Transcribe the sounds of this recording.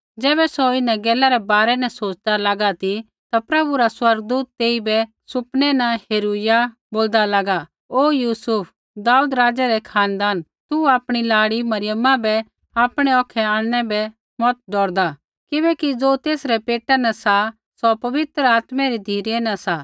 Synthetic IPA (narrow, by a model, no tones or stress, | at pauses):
d͡zɛːbɛsoɪnãɡɛːlaɾɛbaːɾɛnɛ̃soːt͡ʃd̪alaɡat̪i | t̪apɾɐbuɾaswɐɾɡ̚d̪uːt̪ːeːibɛ | sʊpnɛnɐheːɾuja | boːld̪alaɡa | oːjuːsʊpʰ | d̪aːuːd̪ɾaːd͡ʒaɾɛkʰaːnd̪aːn | t̪uaːpɽ̃ilaːɽimɐɾɪjəmãbɛ | aːpɽ̃ɛɔːkʰɛaːɽ̃ɽ̃ɛbɛ | mɔt̪̚ɖɔːɽd̪a | kɪbɛkid͡zoːt̪eːsɾɛpeːʈɛnɐsa | sɔpɐʋɪt̪ɾəaːt̪mɛɾid̪ʱiːɾɛnɐ̃sa